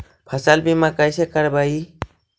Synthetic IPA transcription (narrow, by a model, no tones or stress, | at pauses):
pʰəsalbimakajsekəɾbai